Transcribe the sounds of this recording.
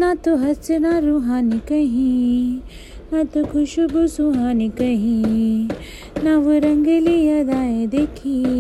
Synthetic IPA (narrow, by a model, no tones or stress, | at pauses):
naːt̪uɦɐsɐnaɾuɦaːnikɐɦĩ | naːt̪ukʰuʃubusuɦaːnikɐɦĩ | naʋuɾɐŋɡɐlijɐd̪aːjed̪eːkʰi